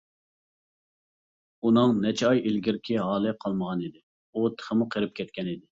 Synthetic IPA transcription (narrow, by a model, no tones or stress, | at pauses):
unɨŋnɛt͡ʃʰɛɑjelɡʲiɾkʲʰiɦɑːlˠɨqʰɑlˠməʁɑnid̪ɪ | ut̪ʰə̥χəmʊqʰəɾɪp̚kʲʰɛt̪̚kʲʰɛnid̪ɪ